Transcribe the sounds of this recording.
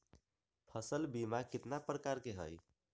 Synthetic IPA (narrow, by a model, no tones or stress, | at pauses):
pʰəsəlbimakit̪napɾəkaɾkeɦə̰j